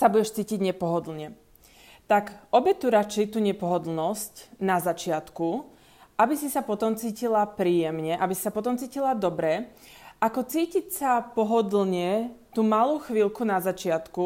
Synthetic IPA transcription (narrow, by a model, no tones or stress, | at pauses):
sabuɟɛʃt͡siːciɟɲɛpɔɦɔd̪l̩ɲɛ | t̪akʔɔbɛt̪uɾat͡ʃɛjt̪uːɲɛpɔɦɔd̪l̩nɔscnazat͡ʃɪat̪ku | ʔabisisapɔt̪ɔmt͡siːcilapɾiːjɛmɲɛʔabisi̥sapɔt̪ɔmt͡siːcilad̪ɔbɾɛʔakɔt͡siːcicsapɔɦɔd̪l̩ɲɛt̪uːmaluːxʋilkunazat͡ʃɪat̪ku